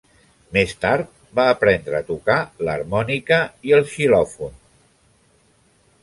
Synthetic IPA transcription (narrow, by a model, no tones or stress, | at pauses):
mest̪aɾt̪̚ | baːpɾɛnd̪ɾəːt̪ukaləɾmɔnikəiəlˠʃilɔfun